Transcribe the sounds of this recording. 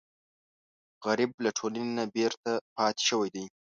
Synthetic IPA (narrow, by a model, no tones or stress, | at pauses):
ɣaɾib̚laʈʰolanenabeɾt̪apɑt̪ɪ̥ʃəwajd̪aj